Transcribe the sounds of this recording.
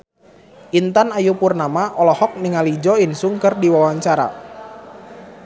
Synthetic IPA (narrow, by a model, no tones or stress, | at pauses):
ʔint̪anajupurnamaʔɔlɔhɔk̚niŋalid͡ʒɔinsuŋkərdiwawaɲt͡ʃaɾa̰